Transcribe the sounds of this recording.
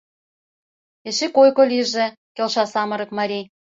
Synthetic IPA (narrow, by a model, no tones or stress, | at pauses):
eʃekojkolʲiʒĕ | kelʃɑsɑmɤ̆ɾɤ̆kmɑɾʲi